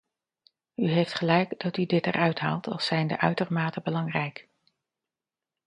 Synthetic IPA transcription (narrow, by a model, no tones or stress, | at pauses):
yɦejftχəlɛjkdɑtydɪtɛ̰rʔœɥtɦa̰ːlˠtʰɑ̰lˠsɛjndə̰ʔœɥtərmaːtəbəlɑŋrɛjk